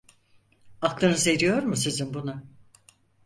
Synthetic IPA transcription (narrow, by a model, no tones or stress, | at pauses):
aklˠɯnɯzeɾijo̞ɾmusizinbunʊ